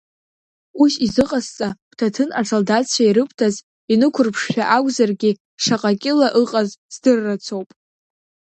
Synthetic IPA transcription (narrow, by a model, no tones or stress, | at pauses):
usizɨqʼast͡sʼakʷʰtʰatʰɨnaʈ͡ʂʰʼaldat͡ɕʰaiɾɨpʰtʰaz | inɨkʷʰʊrpʰʂʃʲᶣaʔaɡʷzarɡʲi | ʂaqʼakʲʼɪlaʔɨqʼazz̥dɨrːat͡sʰo̞wpʼ